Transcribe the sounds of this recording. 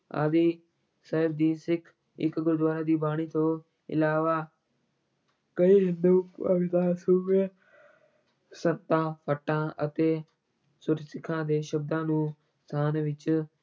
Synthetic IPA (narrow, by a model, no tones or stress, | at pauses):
a̰ːd̪iː | səɦɪbd̪iːsɪkʰ | ɪ̰kɡʊɾd̪ʋaːɾaːd̪iːbaːɽ̃iːt̪ʰoː | ɪ̰laːʋaː | kəiːɦɪ̃nd̪uːəbɪt̪aːsuːbe | sət̪ãːpʰəʈːãːət̪eː | sʊɾsɪkʰãːd̪eːʃəb̚d̪ãːnũː | t̪ʰaːnʋɪt͡ʃ